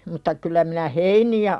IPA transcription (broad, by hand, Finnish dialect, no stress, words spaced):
mutːɑ kylˑæ minæ heiniæ